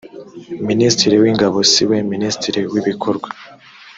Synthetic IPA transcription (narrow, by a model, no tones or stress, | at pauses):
ministiɾiwiːŋɡaβo̞siweministiɾiwiβikʰoɾɡwa